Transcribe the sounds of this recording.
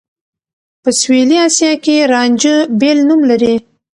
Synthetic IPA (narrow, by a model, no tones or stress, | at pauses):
pəsweliɑsjɑkeɾɑnd͡ʒəbelnumlaɾi